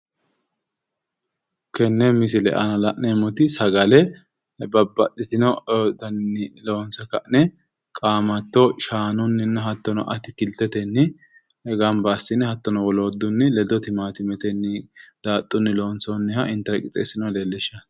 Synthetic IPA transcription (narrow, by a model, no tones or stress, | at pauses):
kɛnːɛmɪsɪlɛ̰ʔɐ̰nɐlɐʔnemɔt̪ɪsɐɡɐlɛ | bɐbːɐʔɪt̪ɪnɔd̪ɐnːɪloːnsɐkɐʔnɛ | kʼaːmɐt̪ːɔʃaːnʊnːɪnːɛɦɐt̪ːɔnɔ̰ʔɐt̪ɪkɪlt̪ːɛt̪ɛnːɪ | ɛɡɐmbɐːsɪnɛhɐt̪ːɔnɔwɔloːd̪ːʊnːɪlɛd̪ɔt̪ɪmaːt̪ɪmɛt̪ɛnːɪd̪̥aːt̪ʼːʊnːɪlo̞ːnsɔnːɪhɐʔɪnt̪ːɐɾkʼɪt̪ʼḛːsɪnɔlelːɛʃɐ